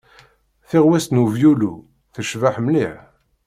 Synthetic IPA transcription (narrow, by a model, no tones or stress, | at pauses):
θiʁwæst̪nuvjulṵ | θəʃvaħmniħ